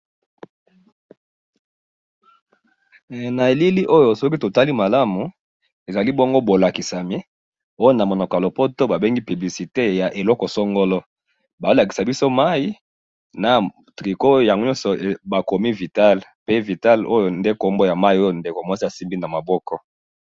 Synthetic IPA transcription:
na˨e˨li˦li˦ʔo˦jo˨sɔ˦ki˦to˨ta˦li˦ma˨la˦mu˨ | e˨za˨li˦bo˦ŋɡo˦bo˨la˨ki˨sa˨mi˦ | o˦jo˦na˨mo˨nɔ˨kɔ˨jlo˨po˦to˦ba˨be˦ŋɡi˦py˨bli˨si˨te˦ja˨ʔe˨lɔ˦kɔ˨sɔ˦ŋɡo˦lɔ˦ | ba˨o˦la˨ki˨sa˨bi˦so˦ma˦ji˦ | na˨ | tʁi˨ko˦ja˨ŋɡo˦ɲɔ̃˦nsɔ˨ba˨ko˨mi˦vi˨ta˦lpe˦vi˨ta˦lo˦jo˨nde˦ko˦mbo˦ja˨ma˦i˦o˦jo˨nde˨ko˨mɔ˦si˦a˨si˦mbi˦na˨ma˨bɔ˦kɔ˦

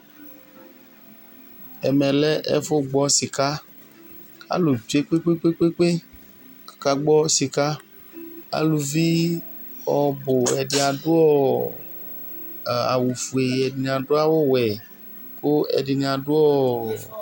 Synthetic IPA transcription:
ɛ˨mɛ̃˨lɛ˦ʔɛ̰˦fʊ˦ɡ͡bɔ˦si˨ka˦ | ka̰˦lu˨d͡ʒe˦k͡pe˦k͡pe˦k͡pe˦k͡pe˦k͡pe˦˨ | ka˦ɡ͡bɔ˦si˨ka˦ | a̰˦lu˨vi˦ | ɔ˨bo˨ɛ˨dɪ˨a˨ɖʊ˦ɔ˦˨ | a̰˨wu˨fu˨e˨ɛ˨di˨ñ˨ã˨ɖʊ˦a˦wo˦wɛ˨ | ko˦ɛ̰˨di˨ñ˨ã˨ɖʊ˦ɔ˦

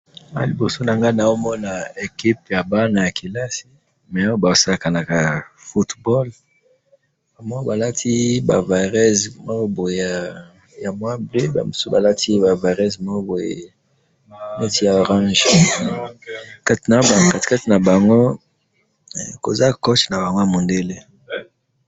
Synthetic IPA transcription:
a̰˦li˨bo˨so˦na˨ŋɡa˦na˨o˦mɔ˦na˨e˨ki˦p̚ja˨ba˦na˨ja˨ki˨la˦si˦ | mɛ˨a˦wo˦ba˨o˨sa˦la˨ka˨na˨ka˨fu˦tbɔ˦l | ba˨ma˦o˦ba˨la˦tʰi˦ba̰˨va˨ʁɛ˦zmo˦bo˨je˨a˨ | ja˨mwa˦ble˦ba̰˨mo˨su˦ba˨la˦tʰi˦ba˨va˨ʁɛ˦zmo˦bo˨jḛ˨ | mɛ˦ti˦ja˨o˨ʁã˦ʒ | ka˦ti˨na˨˦ba˨ka˦ti̥˨ka˦ti˨na˨ba˨ŋɡo˦ | ko̰˨za˦ko˦t͡ʃna˨ba˨ŋɡo˦ja˨mo˨nde˦le˦

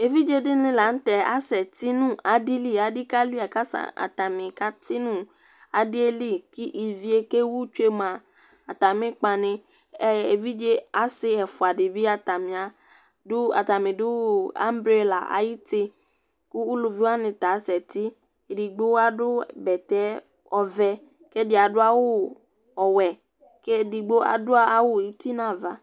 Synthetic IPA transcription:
e˨vi˦d͡ʒe˦dɪ˦nɪ̃˦la˨˦n̩˦t̪ɛ˨a̰˦sɛ˨t̪i˦nũ˦a˨di˦li˦a˨dɪ˦ka˦lu˦a˨ka˦sa̰˨a̰˨t̪a˨mɪ̃˨ka˦t̪i˦nũ˦ | a˨dɪ˦e˦li˦ki˦ʔi˨vi˦e˦ke˦wu˦t͡ʃu˦e˦mã˨ | a˨t̪a˨mɪ̃˦k͡pa˨nɪ̃˦ | ɛ˦˨e˨vi˦d͡ʒe˦a˦sɪ˦ɛ˨fʊ˨a˨dɪ˨bi˦a˨t̪a˨mĩ˨a˨ | dʊ˦a̰˨t̪a˨mɪ̃˨dʊ˦a̰˦m˦bɾi˦o˨la̰˨ʔa̰˨ji˦t̪ɪ˦ | kʊ˦u˦lu˨vi˦a˦nɪ̃˨t̪a˨˦sɛ˨t̪ɪ˦ | e˨di˨ɡ͡bo˦wa˦dʊ˦bɛ˨t̪ɛ˨˦ | ɔ˨vɛ˦ | ke˦dɪ˦a˨dʊ˦a˦wʊ˦ | ɔ˨wɛ˨ | ke˦˨di˨ɡ͡bo˦a̰˨dʊ˦a˦a˦wʊ˦i˦t̪i˦nã˨va̰˨

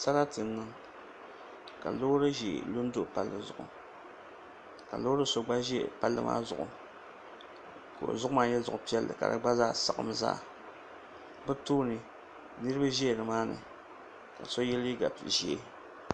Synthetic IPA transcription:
sa˦la˦tɨ˨n̩ː˦ɨ˦ŋ | ka̰˨lo˦ɾɨ˦ʒe˨lo˦n˦do˦ʔpa˦lːɨ˨zʊ̰˨ʔʊ̰˨ | ka̰˨lo˦ɾɨ˦so˨ɡ͡ba˦ʒi˦ɛ˨pa˦lːɨ̰˦mʔa̰ː˦zʊ˨ʔʊ̰˨ | ko̰˨zʊ˦ʔʊ˦maː˨jɛ˦zʊ˨ʔʊ˨pi˦ɛ˦lːɨ̰˨ka̰˨dɨ̰˦ɡ͡ba˦zaː˦sa˨ʔɨ̰˨mza̰ː˦˨ | bɨ˦toː˦nɨ˨ | nɨ˦ɾɨ˦ba˦ʒɛ˦˨dɨ˨maː˦nɨ̰˨ | ka̰˨sɔ˦jɛ˦li˦ɡa˨ʒɛ˨˦

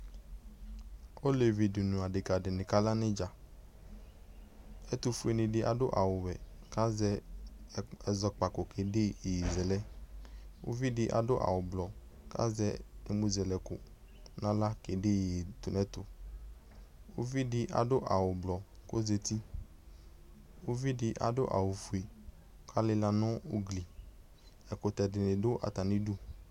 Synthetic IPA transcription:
o˦le˨vi˨di˨nũ˨a˨ɖɪ˨ka˨ɖɪ˨nɪ̃˨ka˦la˦nɪ̃˦d͡ʒa˨ | ɛ˦t̪u˦fu˦e˨nɪ̃˨ɖɪ˦ʔa˨dʊ˦ʔa̰˨wʊ˨wɛ˨ka˦zɛ˦ | ɛ˨zɔ˦k͡pa˨ko˨ke˨dɪ˦i˨ji˨zɛ˨lɛ˦ | wʔo̰˦vi˦dɪ˦ʔa̰˨dʊ˦ʔa̰˨wʊ˨blɔ˨ | ka̰˦zɛ˦ne˦mu˦zɛ˨lɛ˨kʊ˨ | nã˦la˦ke˨de˦˨t̪u˨nɛ̃˦t̪ʊ˨ | wo˦vi˦dɪ˦ʔa̰˨do˦ʔa˨wʊ˨blɔ˨ko˦ze˨t̪i˦ | wo˦vi˦dɪ˨ʔa̰˨do˦ʔa̰˨wo˨fu˨e˨˦ | kʰa˦lɪ˦la˨nɔ̃˦o˦ɡli˨ | ɛ˨ko˨t̪ɛ˨dɪ˨nẽ˨do˦ʔa̰˨t̪a˨nĩ˦du˦

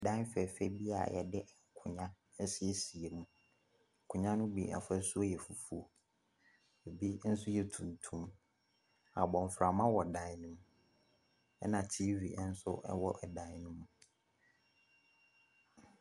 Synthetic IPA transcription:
dã˦fɛ˨fɛ˦bi˦a̰˨jɛ̰˨dɪ˦ʔŋ̩˨kʰʊ̃˨ɲã˦ | n̩˦si˦e˦si˨e˨mũ˨ | ŋ̩˨kʰʊ̃˨ɲã˦nʊ̃˦bḭ˦a̰˨fɛ˦su˦o˦jɛ˨fu˨fu˦o˨ | e˨bi˦n̩˦sʊ˦jɛ˨tʰũ˨n˨tʰũ˦m | a̰˨bɔ̃˨m˨fɾa˨mã˦wɔ˨dã˨˦nʊ̃˦m | ɛ̰˦nã˨tʰiː˦vi˨˦n̩˦sʊ˦ʔɛ̰˦wɔ˦ʔɛ˨dã˨˦nʊ̃˦m

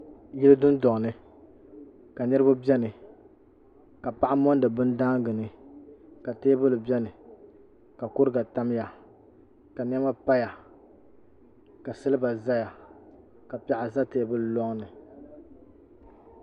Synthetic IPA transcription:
jɪ˦lɨ˦dʊ˦n˦dɔ˨ŋ˨nɨ˨ | ka˨nɨ˦ɾɨ˦ba˦bɛ˦nɨ˨ | ka˨pa˦ʔa˦mɔ˦n˦dɨ˨bɨ˦n˦daː˦ŋ˦ɡɨ˨nɨ˨ | ka˨teː˦bɨ˦lɨ˨bɛ˦nɨ˨ | ka˨kʊ˦ɾɨ˦ɡa˨ta˦m˦ja˨ | ka˨n˦ɛ˦ma˦pa˦ja˨ | ka˨sɨ˦lɨ˦ba˨za˦ja˨ | ka˨pɛ˨ʔa˨za˦teː˦bɨ˦llɔ˦ŋnɨ˨

